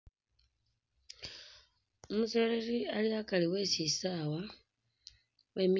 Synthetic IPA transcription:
umusolerialiakaliwesisawa | wemi

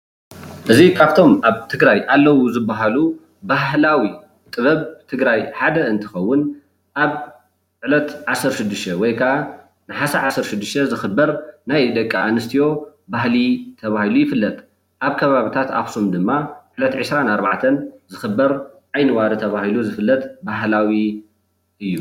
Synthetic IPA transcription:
ʔɨzikʰaβt̪ʰo̞mʔaβt̪ʰɨɡɾajʔalːɐwuzɨbːaɦalu | baɦɦlawi | t̪ʼɨβɐβt̪ʰɨɡɾajħad̪ɐɨnt̪ʰɨ̥xɐwːʊn | ʔaβ | ʕʕɨlɐt̪ʕasːɨɾʃɪd̪ːɨʃt̪ʰɐwɔjkʰaʔa | nɨħasaʕasɨɾʃɪd̪ːɨʃt̪ʰɐzɨxɨbːɐɾnajd̪ɐkʼːaʔanɨst̪ʰijo̞bahlit̪ʰɐβahilujɪfɨlːɐt̪ʼ | ʔaβkʰɐβaβit̪ʰat̪axsumd̪ɨmːaʕlɐt̪ʕɨsɾanaɾbaʕt̪ʰɐnzɨxɨbːɐɾʔajnɨwaɾɨt̪ʰɐβahiluzɨfɨlːɐt̪ʼbaɦlawi | ʔɨjːu

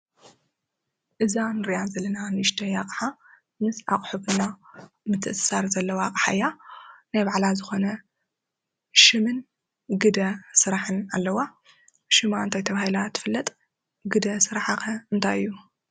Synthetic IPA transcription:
ʔɨzanɨɾijazɐlːɐnanɨɨʃt̪ʰɐjaqʼħa | mɨsaqʼħubɨna | mɨt̪ʰɨʔsaɾzɐlːɐwaqʼħa̰jːanajbaʕlazɨxo̞nɐ | ʃɨmɨn | ɡɨd̪ɐsɨɾaħɨnalːɐwa | ʃɨmaɨnt̪ʰajt̪ʰɐβahilat̪ʰːɨ̥fɨlːɐt̪ʼ | ɡɨd̪ɐsɨɾaħakɐɨnt̪ʰajɨ̰jːu

